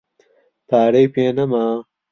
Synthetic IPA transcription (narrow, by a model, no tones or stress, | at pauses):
t̪aːɾɐjpeːnɐmaː